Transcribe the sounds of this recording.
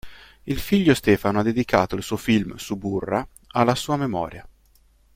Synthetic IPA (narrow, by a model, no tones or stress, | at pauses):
ilfiʎːost̪ɛːfanoad̪ːed̪ikʰa̰ːt̪oilsuːofilmsuburːa | alːasuːamemɔ̰ːɾja